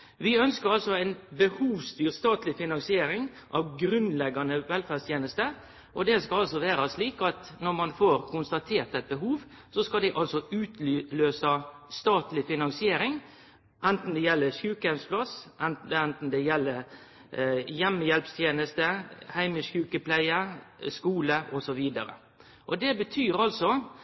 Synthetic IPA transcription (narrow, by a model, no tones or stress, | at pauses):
ʋɪœnskəɾɑlsɔæɪnbəhuːʋst̪yːɾst̪ɑːt̪lɪfɪnɑŋsɪeːɾɪŋ | ʔɑʋɡɾʉnlɛɡːɑnəʋɛlfæst̪ʰjeːnəst̪ə | ʔɔd̪ɛskɑlɑlsɔʋæːɾɑsliːkɑt̪nɔɾmɑnfoɾkʊnst̪ɑt̪ʰeːɾt̪ɛt̪̚bəɦuːʋ | sɔskɑld̪ɪʔɑlsɔʉːt̪løːsɑst̪ɑːt̪lɪfɪnɑŋsɪeːɾɪŋ | ʔɛnt̪n̩d̪ɛjɛlːəʂʉːkəjɛmspʰlɑsʔɛnɛnt̪n̩d̪ɛjɛlːəɾ | jɛmːəjɛlpst̪ʰjeːnəst̪əhæɪməʂjʉːkəpʰlæɪəskuːləʔɔsɔʋiːd̪ɑɾə̰ | ʔɔd̪ɛbət̪ʰyːɾɑlsɔ